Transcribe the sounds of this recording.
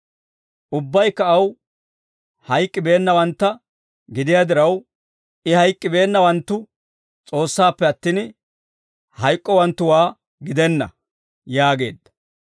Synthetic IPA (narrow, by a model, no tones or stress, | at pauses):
ʔʊbːɐjkːɐːw | hɐjkʼːɪbe̞ːnːɐwɐnt̪ːɐ | ɡɪd̪ɪjaːd̪ɪɾɐw | ɪhɐjkʼːɪbe̞ːnːɐwɐnt̪ːʊ | t͡sʼo̞ːsːaːpːɛɐt̪ːiːn | hɐjkʼːɔwɐnt̪ːʊwaː | ɡɪd̪ɛnːɐ̰ | jaːɡe̞ːd̪ːɐ̥